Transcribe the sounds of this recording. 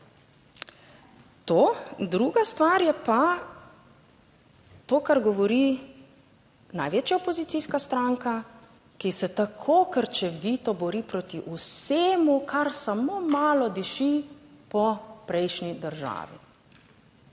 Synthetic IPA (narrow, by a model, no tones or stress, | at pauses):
t̪oːd̪ɾuːɡast̪ʋaɾjɛpa | t̪oːkaɾɡɔʋɔɾi | na̰jʋeːt͡ʃjaɔpɔzit̪siskast̪ɾaŋka | kisɛt̪akʰokəɾt͡ʃɛʋit̪ɔbɔɾipɾot̪iʔuseːmukʰaɾsamomaːlɔd̪iʃipɔpɾɛjʃnid̪əɾʒa̰ːʋḭ